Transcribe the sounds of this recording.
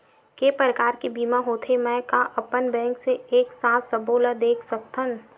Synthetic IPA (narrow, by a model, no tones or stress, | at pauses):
kepɾəkaːɾkebiːmaɦoːt̪ʰemɛ̃kaʔɐpənbɛ̃ːŋkseeːksãːt̪ʰsəboːlad̪eːkʰsɐkt̪ʰən